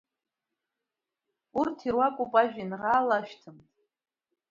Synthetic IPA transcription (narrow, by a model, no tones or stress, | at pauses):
urtʰirwakʷʼupʼaʒᶣinʁaːlaʃᶣtʰɨmtʼ